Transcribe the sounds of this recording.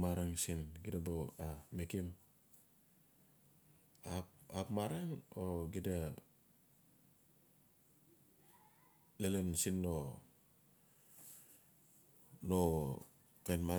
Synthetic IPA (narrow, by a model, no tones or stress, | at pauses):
maɾaŋsinɡidaboamekim | apapmaɾaŋoɡida | lelensinːo | no | kajnma